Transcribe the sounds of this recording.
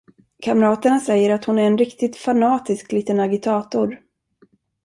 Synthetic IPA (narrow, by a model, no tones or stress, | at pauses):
kʰamɾɑːt̪əɳasɛjːəɾat̪hʊnæɾɛnɾɪkt̪ɪt̪fanɑːt̪ɪskliːt̪ənaɡɪt̪ʰɑːt̪ʊɾ